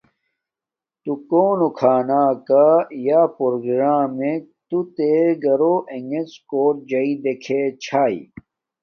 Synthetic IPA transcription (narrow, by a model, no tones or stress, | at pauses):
t̪ukoːnokʰaːnaːkajaːpoɾoɡɾaːmet̪ut̪eɡɐɾoʔeŋɡeskoːʈ̚d͡ʑɐid̪ekʰet͡ɕʰaːḭ